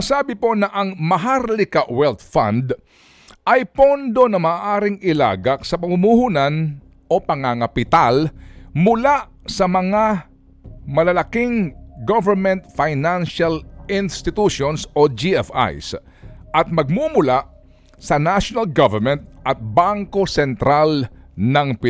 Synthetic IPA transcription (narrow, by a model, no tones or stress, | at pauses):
asaːbɪpo̞nɐʔɐŋmɐɦaɾlɪkaʔwɛlt̪fã̰nd̪ | ɐjpond̪o̞nɐmaːʔaːɾɪŋɪla̰ːɡak̚sɐpɐmumuhunan | ʔo̞pɐŋaŋɐpɪt̪almʊlaʔ | sɐmɐŋa | mɐlɐlɐkɪŋɡovɛɹmɛ̃nt̪fajnanʃalɪnst̪ɪt̪uʃonsʔod͡ʒiɛfa̰js | ʔɐt̪̚mɐɡ̚mumʊlaʔ | sɐnaʃonalɡavɛɹmɛnt̪̚ʔɐt̪̚baŋko̞sɛnt̪ɾalnɐŋpɪ